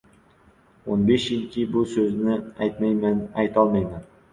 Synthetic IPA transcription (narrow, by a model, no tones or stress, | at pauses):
onbeʃjɪlkʲʰɪbʊsɵznɪajt̪majmanajt̪ʰɒlˠmajman